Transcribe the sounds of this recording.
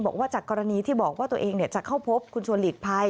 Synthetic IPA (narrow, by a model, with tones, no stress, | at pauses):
bɔː˨˩k̚waː˥˩t͡ɕaː˨˩kːɔː˧ɾa˧niː˧t̪ʰiː˥˩bɔː˨˩k̚waː˥˩t̪u˧ʔeː˧ŋni˧˩ət͡ɕa˨˩kʰa˥˩wpʰo˦˥p̚kʰu˧nt͡ɕʰu˧ənliː˨˩k̚pʰa˧j